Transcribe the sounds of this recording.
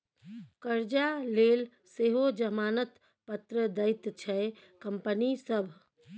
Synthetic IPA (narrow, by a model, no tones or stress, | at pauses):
kəɾd͡ʒalel | seɦod͡ʒəmaːnət̪ | pət̪ɾəd̪əɪt̪t͡ʃʰɛ | kəmpənisəbʱ